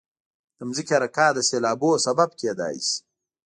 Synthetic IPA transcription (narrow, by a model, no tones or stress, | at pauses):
d̪̥əmzikeɾɐkaːd̪əseːlaːboːsɐbab̚ked̪a̰ːḭs